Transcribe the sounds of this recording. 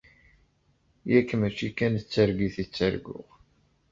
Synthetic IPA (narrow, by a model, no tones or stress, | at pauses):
jækːmæt͡ʃːikænt͡sːəɾɡiθit͡sːəɾɡʊ̰ʁ